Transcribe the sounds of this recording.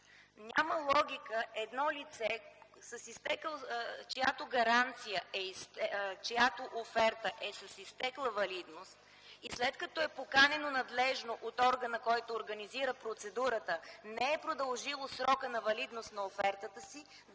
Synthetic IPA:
ɲʲaməlˠɔɡʲikəʔɛd̪nɔlit̪sɛsɐsist̪ɛkt͡ʃɛjat̪oɡɐɾant̪sijəɛist̪ɛt͡ʃɛjat̪oʔofɛɾt̪əʔɛsəsist̪ɛklˠəvɐlid̪nost̪ | islɛt̪kɐt̪ɔɛpokanɛnonɐd̪lɛʒnoʔot̪ɔɾɡənəkɔjt̪oːɾɡəniziɾəpɾot̪sɛd̪uɾət̪ənɛɛpɾod̪ɐlˠʒilˠosɾɔkənɐvɐlid̪nost̪nɐofɛɾt̪ət̪əsi

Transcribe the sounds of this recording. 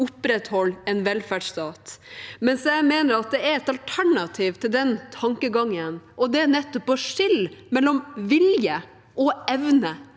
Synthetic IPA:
ʊpɾɛt̪hɔlːɛnʋɛlfæɖʂt̪ɑːt̪mɛnsjæɪmeːnəɾɑt̪̚d̪ɛæɾɛt̪ɑlt̪ʰæɳɑt̪ʰiːʋt̪ʰɪld̪ɛnt̪ʰɑŋkəɡɑŋːənʔɔd̪ɛːnɛt̪ːɔpɔʂɪlmɛlːɔmʋɪljə | ʔɔɛʋnə

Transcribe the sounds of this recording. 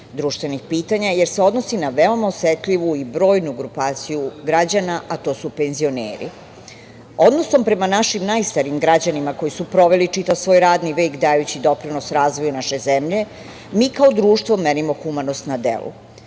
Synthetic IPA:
d̪ɾuːʃt̪ʋenixpiːt̪aɲajeɾseo̞d̪no̞sinaʋeo̞maosjet̪ʎiʋuibɾo̞ːjnuɡɾupaːt̪sijuɡɾad͡ʑanaʔat̪o̞ːsupe̞nzio̞nḛːɾḭ | o̞d̪noso̞mpɾe̞manaʃimnajst̪aɾiːmɡɾad͡ʑanimako̞jisupɾo̞ʋe̞lit͡ʂit̪aʋsʋo̞ːjɾaːd̪niʋekd̪ajut͡ɕid̪o̞pɾino̞sɾaːzʋo̞junaʃe̞zemʎe̞ | miːkaod̪ɾuːʃt̪vomenimo̞xumanost̪nad̪ḛlṵ

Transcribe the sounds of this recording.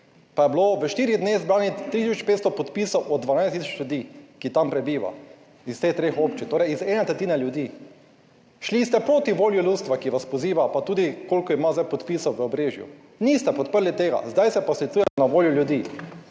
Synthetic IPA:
pajɛbloʋəʃt̪iːɾid̪neɣzbɾaːnit̪ɾit̪isɔt͡ʃpeːt̪st̪ɔpɔt̪piːsɔwʔɔd̪̚d̪ʋanajst̪isɔt͡ʃljud̪iːkit̪ampɾɛbiːʋa̰ | ist̪eːxt̪ɾeːxopt͡ʃit̪oːɾɛjizɛːnat̪ɾɛt̪iːnɛljud̪iː | ʃlist̪ɛpɾoːt̪iʋoːljulust̪ʋakiʋaspɔziːʋapat̪uːd̪ikoːlʲkɔimazajpɔt̪piːsɔwʋəɔbɾeːʒjṵ | nist̪ɛpɔt̪̚pəɾlit̪eːɡa̰zd̪ajsɛpasit̪suːjɛɛnaʋoːljuljud̪i

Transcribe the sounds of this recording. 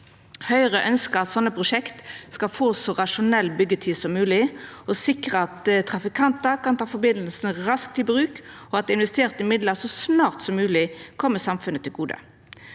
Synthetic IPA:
hœʏʁəʔœnskəɾɑt̪sɔnːəpʰʁʊʂɛkt̪skɑlfoːsɔʁɑʂʊnɛlːbʏɡːət̪ʰyːsɔmːʉːlɪɔsɪkʁəɑt̪t̪ʰʁɑfɪkʰɑnt̪əkɑnt̪ʰɑːfɔbɪnlsn̩ʁɑsk̚t̪ɪlbʁʉːk | ɔɑt̪̚d̪ɛɪnʋɛst̪eːʁt̪ɪmɪd̪ləsɔsnɑːʁt̪sɔmːʉːlɪkʰɔmːəsɑmfʉnət̪ʰɪlɡuːd̪ə̰

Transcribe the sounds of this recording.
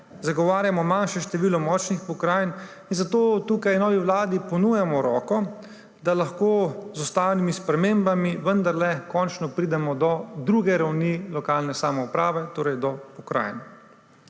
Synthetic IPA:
zaɡɔʋaːɾjamɔmanʃɛʃt̪ɛʋiːlɔmɔːt͡ʃnixpɔkɾajn | inzat̪oːt̪uːkajnɔːʋiʋlaːd̪ipɔnuːjamɔɾɔ̰ːkɔ | d̪alaxkoːzust̪awnimispɾɛmeːmbamiʋənd̪aɾlɛkɔnt͡ʃnɔpɾiːd̪ɛmɔd̪ɔd̪ɾuːɡɛɾawnilɔkaːlnɛsaːmɔupɾaːʋɛt̪oːɾɛjd̪ɔpɔkɾa̰ːjn

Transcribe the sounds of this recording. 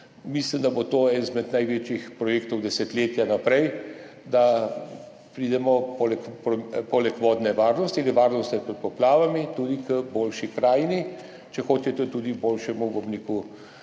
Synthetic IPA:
mislimd̪abot̪oːɛnzmɛt̪najʋeːt͡ʃixpɾɔjeːkt̪ɔwd̪ɛsɛt̪leːt̪janapɾɛj | d̪a | pɾiːd̪ɛmɔpɔlɛkpɾɔmpɔlɛkʋɔːd̪nɛʋaːɾnɔst̪ialiʋaːɾnɔst̪nɛpɾɛt̪̚pɔplaːʋamit̪ud̪ikəboːlʃikɾaːjni | t͡ʃɛxoːt͡ʃ̪ɛt̪ɛt̪ud̪iboːlʃɛmubɔbniːku

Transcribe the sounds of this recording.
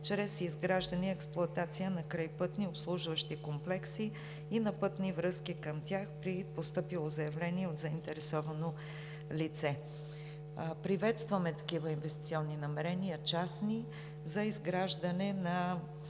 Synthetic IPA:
t͡ʃɾɛsizɡɾaʒd̪əniɛksplˠʊɐt̪at̪sijənɐkɾajpɤt̪niopslˠuʒvəʃt̪ikomplɛksiː | nɐpɤt̪nivɾɤskikəmt̪ʲjaxpɾipost̪ɤpilˠozɐjɐvlɛniɛod̪zɐint̪ɛɾɛsɔvɐno | lit̪sɛ | pɾivɛt̪st̪vəmɛt̪ɐ̥kivəinvɛst̪it̪sʲiɔnːinɐmɛɾɛnijət͡ʃasni | zɐizɡɾaʒd̪ənɛnɐ

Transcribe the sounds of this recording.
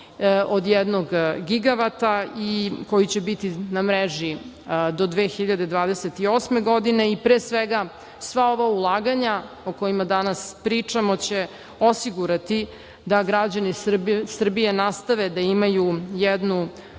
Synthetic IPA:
od̪jɛd̪noɡɡiɡaʋat̪aiko̞jit͡ɕebit̪inamɾeʒi | d̪o̞d̪ʋexiʎad̪ed̪ʋaːd̪eset̪io̞ːsme̞ɡo̞d̪ine̞ipɾeːsʋeɡa | sʋao̞ʋaulˠaːɡaɲa | oko̞jimad̪anaspɾit͡ʂamo̞t͡ɕe̞ | osiɡuɾat̪i | d̪aɡɾad͡ʑanisr̩bijenast̪aʋed̪aimajujɛd̪nu

